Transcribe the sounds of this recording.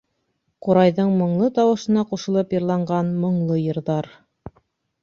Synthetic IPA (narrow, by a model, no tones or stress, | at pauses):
qoɾɑjðɤɴmɤ̆ɴlˠɤt̪ɑwɤ̆ʃɤ̆nɑquʃɤ̆lˠɤpjɤ̆ɾlˠɑɴɢɑnmɤ̆ɴlˠɤjɤ̆ɾðɑɾ